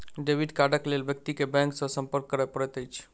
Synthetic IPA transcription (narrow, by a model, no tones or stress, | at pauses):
ɖeʋiɖkaɖəklelbjək̚t̪ikebɛ̃ŋksə̃sə̃mpəɾkːəɾɛpəɽɛt̪əjt͡ʃʰ